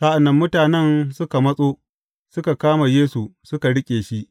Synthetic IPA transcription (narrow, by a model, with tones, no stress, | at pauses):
sa˦ʔa˨nːɐ˦mːʊ˦taː˨nɛ˦nsʊ˦ka˨mɐ˦sʼoː˦ | sʊ˦ka˨kaː˦ma˨jeː˦su˨sʊ˦ka˨ɽɪ˦kʲʼeː˨ʃi˦ʔ